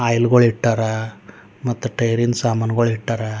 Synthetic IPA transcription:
aːjlɡoɭiʈːaɾa | mɐt̪ːuʈɐjɾinsaːmanɡoɭiʈːaɾa

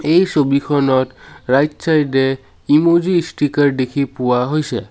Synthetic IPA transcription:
ejsobikʰɔnɔtɹajtsajde | imuzisʈikaɹdekʰipuwaɦojsɛ̰

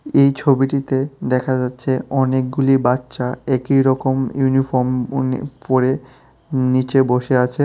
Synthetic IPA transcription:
ejt͡ɕʰobiʈit̪ed̪ɛkʰad͡ʑatːɕʰeɔnek̚ɡulibatːʃaekiɾɔkomjunifɔɾmpoɾe | nit͡ɕeboʃeat͡ɕʰe

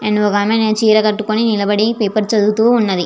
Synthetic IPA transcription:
enokaːmenet͡ʃiːɾɐkɐʈːukoninilɐbɐɽipeːpɐɾt͡ʃɐd̪ut̪uːnːɐd̪i

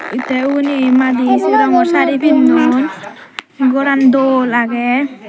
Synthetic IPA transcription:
it̪ɛunimad̪isiɾaŋɔsaɾibinːun | ɡɔɾand̪olaɡɛ

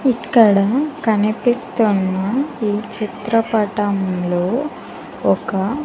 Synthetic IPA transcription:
ikːɐɽɐkɐnipist̪unːɐiːt͡ʃit̪ɾɐpɐʈɐmlo̞ː | ɔkɐ

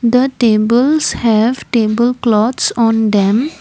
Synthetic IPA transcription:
d̪əʈebəlshɛʋʈebəlklɔt̪sɔ̃nd̪ɛ̃m

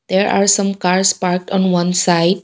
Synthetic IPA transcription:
d̪̥eɾʔa̰ːɾsʌ̃mkaɾspaɾk̚ʈɔ̃nʋʌ̃nsaɪɖ

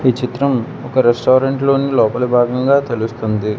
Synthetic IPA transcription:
iːt͡ʃit̪ɾɐm | ɔkɐɾesʈoːɾeɳʈlo̞ːnilɔːpɐlubʱaːɡɐŋɡaːt̪e̞lust̪und̪i

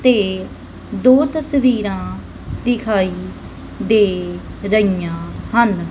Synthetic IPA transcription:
t̪eː | d̪oːt̪əsʋiːɾãː | d̪ɪkʰaːiː | d̪eːɾəijãːhən

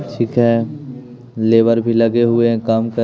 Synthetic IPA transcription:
ʈʰiːkɦɛː | leːʋəɾbʱilɐɡeɦʊeɦɛ̃kaːmkɐ

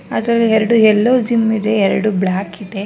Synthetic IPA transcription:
a̰ːd̪ɐɾɐlːiɦɛɾɐɽuɦɛlːoːd͡ʒimːid̪e̞ɛɾɐɽubɭaːkid̪e

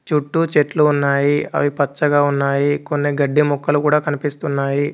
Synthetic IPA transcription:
t͡ʃuʈːut͡ʃeʈluːnːaːjiɐ̰ʋipɐt͡ʃːɐɡaːunːaːjiko̞nːiɡɐɖːimɔkːɐlukuːɽaːkɐnipist̪unːaːji

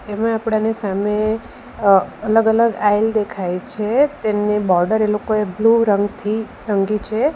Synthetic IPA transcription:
emãapɽ̃anesame | ələɡələɡajld̪ekʰajt͡ʃʰet̪enebɔɾɖəɾelokoebluɾəŋɡt̪ʰi | ɾəŋɡit͡ʃʰe

